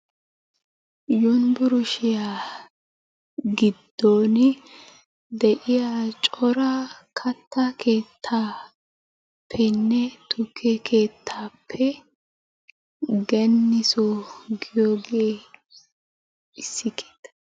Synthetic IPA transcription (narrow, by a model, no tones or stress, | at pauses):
jɔnbʊɾʊʃɪja | ɡɪd̪ːoːn | d̪ɛʔɪjat͡ʃʼɔɾɐkʰɐt̪ːɐkʰeːt̪ʰːaː | pʰːɛnːɛt̪ʰʊkʰːɛkʰe̞ːt̪ʰːaːpʰːɛ | ɡɛnːɪsɔɡɪjoːɡeː | ɪsːɪkʰe̥ːt̪ːɐ̥